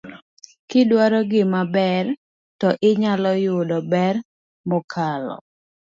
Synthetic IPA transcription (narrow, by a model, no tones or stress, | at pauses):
kɪdwaɾɔɡɪmabɛr | tɔʔɪɲalɔjʊdɔbɛr | mɔkʰalɔ̰